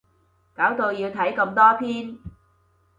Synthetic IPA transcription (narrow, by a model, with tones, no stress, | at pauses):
kaː˨˥wt̪o˧wjiː˧wt̪ʰɐ˨˥jkɐ˧mt̪ɔː˥pʰiː˥n